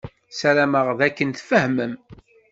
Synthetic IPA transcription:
sæɾæməʁðækːənθfəhməm

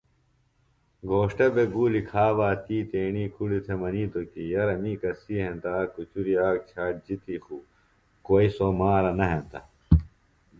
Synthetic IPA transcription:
ɡʱoːʂʈɐbeɡuːlikʰaːʋaːt̪iːt̪eːniːkʰuɽit̪ʰemɐniːt̪okijɐɾɐmiːkɐsiɦent̪aːkut͡ɕuɾiaːk̚t͡ɕʰaːʈ̚d͡ʑit̪ixuː | koːisomaːɾɐnɐɦẽnt̪ɐ

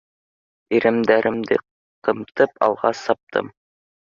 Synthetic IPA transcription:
iɾɘ̆md̪æɾʔɘ̆md̪ɘ̰ | qɤ̆mt̪ɤpɑ̰lˠʁɑsɑp̚t̪ʰɤ̰m

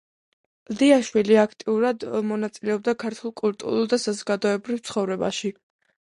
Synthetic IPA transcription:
ld̪iaʃwiliakʰt̪ʼiuɾad̪mɔnat̪sʼilɛɔb̚d̪akʰaɾt̪ʰwulˠkʼult̪ʼṵɾulˠd̪asazɔɡad̪ɔɛbɾivt̪sʰχɔvɾɛba̰ʃi

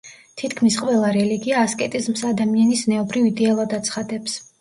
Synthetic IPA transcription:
t̪ʰit̪ʰkʰmisqʼwɛlˠaɾɛliɡiaːskʼɛt̪ʼizmsad̪amianisnɛɔbɾivid̪ɛalˠad̪at̪sʰχad̪ɛps

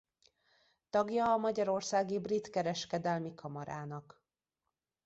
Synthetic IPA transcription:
t̪ɒɡjɒːmɒɟɒɾo̞rsaːɡibrit̪kɛɾɛʃkɛd̪ɛlmikʰɒmɒɾaːnɒk

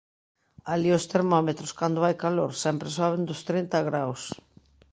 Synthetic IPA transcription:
aliʊst̪eɾmɔmet̪ɾʊskand̪oʊajkaloɾsɛmpɾesɔβend̪ʊst̪ɾint̪aɣɾaws

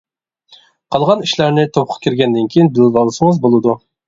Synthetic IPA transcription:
qʰɑlˠʁɑniʃlæɾnɪt̪ʰop̚qʰɑ̥kʲʰiɾɡʲɛnd̪ɪnkʲʰijinbɪllɑlˠɨsəŋəzbolˠɨd̪u

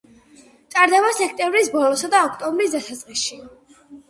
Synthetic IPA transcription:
t̪sʼaɾd̪ɛbasɛkʰt̪ʼɛmvɾisbɔlɔsad̪aɔkʰt̪ʼɔmbɾis̬d̪asat̪sʼqʼisʃi

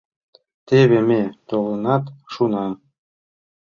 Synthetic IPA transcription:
t̪eβemʲet̪olənɑt̪ʃunɑ

